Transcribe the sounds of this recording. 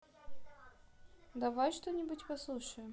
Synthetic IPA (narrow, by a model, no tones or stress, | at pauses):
d̪ɐvajʂt̪onʲɪbutʲpɐslˠuʂəjɪm